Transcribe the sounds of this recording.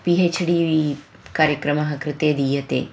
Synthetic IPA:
piːɦet͡ʃʰɖiːʋi | kaːɾjɐkɾɐmɐɦɐkɾɪt̪eːd̪ijɐt̪ḛː

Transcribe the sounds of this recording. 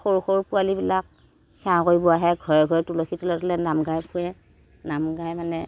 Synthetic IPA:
xoɹuxoɹupʊalibilak̚ | xɛ̃ãkojbuaɦɛɡʱɔɹɛɡʱɔɹɛtuloxʰitɔlɔtɔlɛnamɡajpʰũɛ | namɡajmanɛ

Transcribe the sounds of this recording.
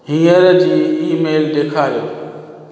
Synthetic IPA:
ɦĩːəɾd͡ʑiːiːmeːld̪eːkʰaːɾijoː

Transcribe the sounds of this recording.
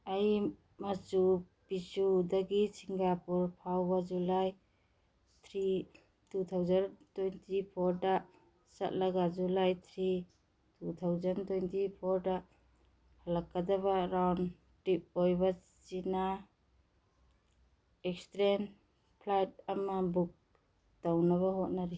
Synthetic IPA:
aj | masu | pisudɐɡisiŋɡapuɾpʰawbad͡ʒulaj | tʰɾi | tut̪ʰawzantojntʰipʰɔɾda | sɐ̰t̚lɐɡazulajtʰɾi | tutʰawzantojntʰipʰɔɾda | halakːadaβaɾawn | tɾip̚ojba | t͡ʃina | ek̚stɾen | pʰlajt̚ɐmabuk̚ | d̥awnaβaɦot̚naɾi

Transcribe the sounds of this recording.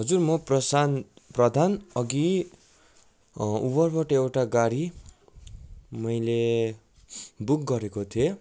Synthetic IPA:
ɦʌd͡zurmʌprʌsanprʌd̪ʱanʌɡi | ubʌrbʌʈʌewʈaɡaɽi | mʌjle | buk̚ɡʌɾekot̪ʰie

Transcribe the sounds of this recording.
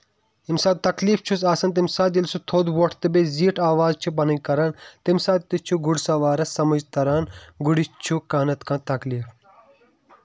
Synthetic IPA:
imsaːd̪̚t̪ɐkliːft͡ʃʰusaːsɐnt̪̬imsaːt̪ilsut̪ʰoːd̪woʈʰt̪ɨbeziːʈʰaːʋaːzt͡ʃʰibɐnɐ̃kɐɾɐnt̪imsaːd̪̚t̪it͡ʃʰuɡuɽsɐʋaːɾɐsɐmɐd͡ʒt̪ɐɾaːnɡuɽit͡ʃʰukaːnɐt̪kãːt̪ɐkliːf

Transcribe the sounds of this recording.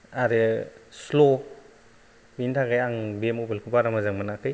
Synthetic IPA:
aɾɯslo | bintʰaɡajaŋbemubilkʰɯpaɾamazaŋmanakʰɯj

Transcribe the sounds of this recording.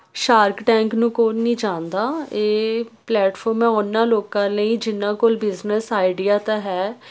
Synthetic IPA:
ʃaːɾkʈɛ̃ːŋknũːkoːnĩːd͡ʒãːnd̪aːeːplɛːʈfʰɔːɾmɛ̃ːʊnːãːloːkãːləĩːd͡ʒɪnːãːkoːlbɪznəsaːɪɖijaːt̪aːɦɛː

